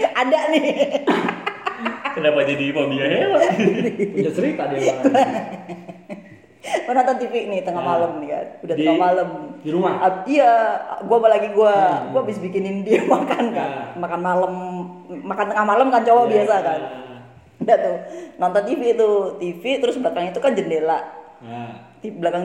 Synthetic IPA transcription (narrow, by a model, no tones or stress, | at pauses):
adaʔnɪ | kədapad͡ʒ̪idipabiaɲadiuɲasəɾit̪adɡuan | kanɔnt̪ɔnt̪ifɪʔnɪht̪əŋahmaləmnɪka̰nudat̪əŋahmaləmdiɾumahaiaɡuapalaɡiɡuaɡuaːbɪsbikɪnɪndiamakankamakanmaləmmakant̪əŋahmaləmkant͡ʃowabiasakan | dat̪unɔnt̪ɔnt̪ifit̪ut̪ifit̪əɾʊsbəlakaŋit̪ukand͡ʒəndelaʔ | t̪ibəlakaŋ